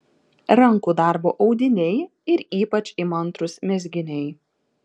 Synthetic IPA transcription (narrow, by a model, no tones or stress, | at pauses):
ɾɐŋˑkuːd̪ɑˑɾboːʔɒʊd̪ʲɪnʲɛɪ | ɪɾiːpɐt͡ʃʲɪmɐnˑt̪ɾʊsmʲɛzʲɡʲɪnʲɛɪ